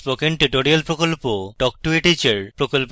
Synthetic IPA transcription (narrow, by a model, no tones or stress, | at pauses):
pokeɳʈeʈoɾialpɾokolpoʈɔk̚ʈueʈit͡ɕeɾpɾokolp